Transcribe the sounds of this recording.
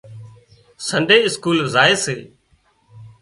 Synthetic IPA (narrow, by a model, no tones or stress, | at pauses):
səɳɖeːɪskuːlzaːeːseː